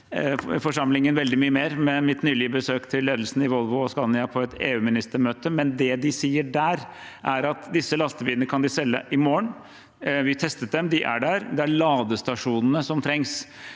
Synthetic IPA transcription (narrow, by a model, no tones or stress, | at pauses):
fɔʂɑmlɪŋənʋɛld̪ɪmyːəmeːɾmɛmɪt̪nyːlɪəbəsøːkt̪ʰɪlːeːd̪əlsn̩ɪʋɔlʋʊɔskɑnɪɑpʰɔɛt̪eːʉːmɪnɪst̪əmøːt̪əmɛnd̪ɛd̪ɪsiːəɖæːɾ | ʔæɾɑt̪d̪ɪsːəlɑst̪əʋiːənəkʰɑnd̪ɪsɛlːə̰ʔɪmoːəɳ | ʋɪt̪ʰɛst̪ət̪̚d̪ɛmd̪ɪʔæ̰ɖæɾd̪ɛæɭɑːd̪əst̪ɑʂuːnənəsɔmt̪ʰɾɛŋs